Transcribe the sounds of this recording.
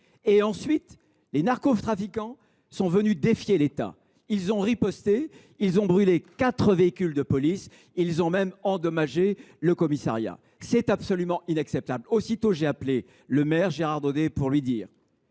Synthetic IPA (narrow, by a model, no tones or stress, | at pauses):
eɑ̃sɥit̪ | lenaʁkoft̪χafikɑ̃ | sɔ̃vənyd̪efjelet̪a̰ | ilzɔ̃ʁipɔst̪e | ilzɔ̃bʁylekat̪χəveikʲyld̪əpɔlis | ilzɔ̃mɛmɑ̃d̪ɔmaʒe | ləkɔmisa̰ʁja̰ | sɛt̪apsɔlymɑ̃inaksɛp̚t̪ablosit̪oʒeaple | ləmɛʁʒeʁaʁd̪od̪epuʁlɥid̪iːʁ